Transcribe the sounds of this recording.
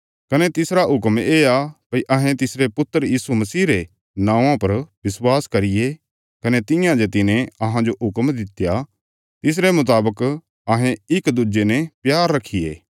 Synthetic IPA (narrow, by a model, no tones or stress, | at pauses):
kɐnɛt̪ɪsɾaɦʊkmeːakiʔɐɦɛ̃t̪ɪsɾepʊt̪ːəɾjiːsumɐsiːɾe | nãːãpɐɾbɪswaːskɐɾɪje | kɐnet̪ɪjãd͡ʒet̪ɪnɛ̃ɐɦãd͡ʒoɦʊkmd̪ɪt̪ja | t̪ɪs̬ɾemʊt̪̬aːbək | ɐɦɛ̃ɪkd̪ʊd͡ʒenɛ̃pjaːɾːɐkʰːɪjḛː